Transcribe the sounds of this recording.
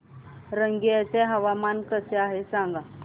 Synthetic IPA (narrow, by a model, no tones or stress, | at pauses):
ɾəŋɡijat͡seɦəʋamankəseaɦesãŋɡa